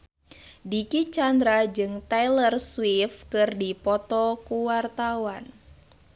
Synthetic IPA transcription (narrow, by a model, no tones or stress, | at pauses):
dikit͡ʃand̪ɾad͡ʒɨŋt̪ajlərswifkɨrdipɔt̪ɔkuwart̪awan